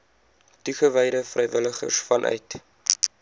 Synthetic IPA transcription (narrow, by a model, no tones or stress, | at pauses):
tuχəvɛjɾəfrɛjvələχə̰rsfɐnʔœ̰ɥt